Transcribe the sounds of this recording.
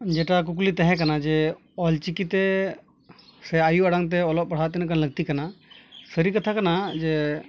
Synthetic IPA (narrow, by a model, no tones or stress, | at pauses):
d͡ʒɛʈak̬uk̬lit̪aɦɛ̃kanad͡ʒɛ | ɔlt͡ʃikit̪ɛ | sɛajuaɽaŋt̪̬ɛɔlɔʔ̚paɽ̤at̪ɛnakanləɡ̚t̪ikanasəɾikat̪ʰakanad͡ʒɛ